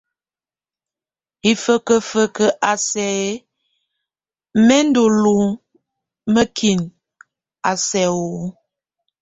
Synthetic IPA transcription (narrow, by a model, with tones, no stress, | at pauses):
i˨fə˦kə˦fə˦kə˦ʔa˨sɛ˨˦ | mɛ˦n˦do˨lu˨ | mə˦kʰi˨n | a˨sɛ˨o˨